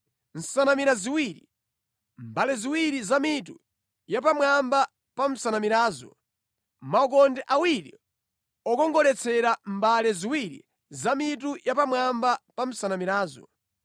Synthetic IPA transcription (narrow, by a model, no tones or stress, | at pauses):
n̩sanamiɾaziwiːɾi | mbalɛziwiɾizamitṵ | japamwamba | pam̩sanamiɾaːzɔ̰ | maɔk̬ɔndɛʔawiɾḭ | ɔkɔŋɡɔlɛt͡sʰɛɾambalɛziwiɾḭ | zamitujapamwambapam̩sanamiɾaːzɔ̰